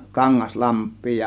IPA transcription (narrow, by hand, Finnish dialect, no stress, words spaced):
kɑŋːɑs lɑmpˑiː